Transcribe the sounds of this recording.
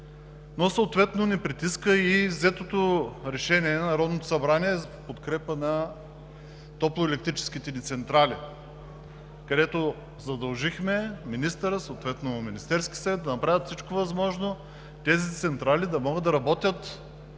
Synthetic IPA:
nosəːt̪vɛt̪nonɛpɾit̪iskəizɛt̪ot̪oɾɛʃɛniɛnnɐɾɔd̪not̪osɐbɾaniɛzɐpot̪kɾɛpənɐ | t̪ɔplˠoɛlɛkt̪ɾit͡ʃɛ̥sk̟it̪ɛnit̪sɛnt̪ɾali | kɐd̪ɛt̪o | zɐd̪ɐlˠʒixmɛminist̪əɾəsoot̪vɛt̪nominist̪ɛɾskʲi̥sɐvɛt̪d̪ɐnɐpɾavʲət̪fsit͡ʃkovɐzmɔʒno | t̪ɛzit̪sɛnt̪ɾalid̪ɐmɔɡəd̪ɐɾɐbɔt̪ʲət̪

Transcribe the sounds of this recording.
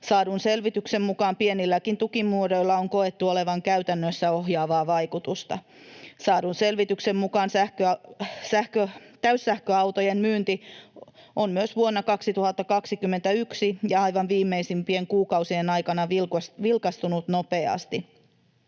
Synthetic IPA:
sɑːdunse̞lʋit̪yksemmukɑːmpienilːækint̪ukimːuːɾo̞ilːɑoŋko̞e̞t̪ːuole̞ʋɑŋkæyt̪ænːøsːæo̞ɦjɑːʋɑːʋɑjkut̪ust̪ɑ̰ | sɑːdunse̞lʋit̪yksemmukɑːnsæhkøsæhkøt̪æysːæhkøɑwt̪ojenmyːnt̪i | ʔonmyøsʋuonːɑkɑksit̪uhɑt̪ːɑkɑksikymːent̪æyksijɑɑjʋɑnʋiːmːeisimpie̞ŋkuːkɑwsienɑjkɑnɑʋsʋilkɑst̪unut̪nopeɑ̰st̪i

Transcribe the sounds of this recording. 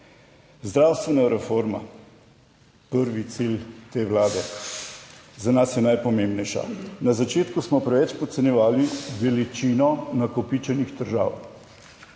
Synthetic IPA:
zd̪ɾawst̪ʋɛnaɾɛfoɾma̰ | pəɾʋit̪silt̪eːʋlaːd̪ɛ | zanasjɛnajpɔmẽːmbnɛjʃa̰nazat͡ʃeːt̪kusmɔpɾɛʋɛt͡ʃpɔt̪sɛnjɛʋaːliʋɛlit͡ʃiːnɔnakɔpit͡ʃɛnixd̪əɾʒa̰ːw

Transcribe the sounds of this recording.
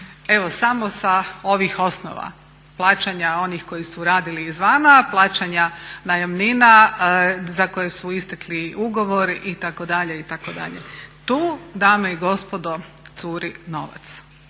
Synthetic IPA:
e̞ʋosamosao̞ʋixo̞sno̰ʋa̰ | plˠaːt͡ɕaɲao̞nixko̞jisuɾaːd̪iliːzʋanaplˠaːt͡ɕaɲanajamnina | zako̞jesuist̪ekliuɡo̞ʋo̞ɾʔit̪akod̪aʎeit̪akod̪a̰ʎḛt̪uːd̪aːmeiɡo̞spod̪ot̪suːɾino̞ʋa̰t̪s

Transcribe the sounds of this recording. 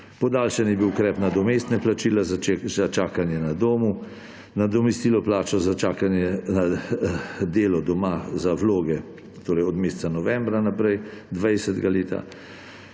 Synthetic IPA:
pɔd̪aːlʃɛnjɛbiwkɾɛːpnad̪ɔmeːst̪nɛplat͡ʃiːlazzat͡ʃaːkanjɛnad̪oːmu | nad̪ɔmɛst̪iːlɔplaːt͡ʃɔzat͡ʃaːkanjɛna | d̪eːlɔd̪ɔmazawloːɡɛ | t̪oːɾɛjɔd̪meːst̪sanɔʋɛmbɾanapɾɛjd̪ʋajsɛd̪ɡaleːt̪a̰

